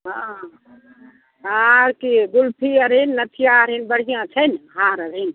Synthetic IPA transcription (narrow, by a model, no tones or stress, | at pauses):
ɦã | ɦaɾkiɡulpʰiəɾɦinːət̪ʰijãəɾɦinbəɽ̤ijãt͡ʃʰənɦaːɾəɾɦin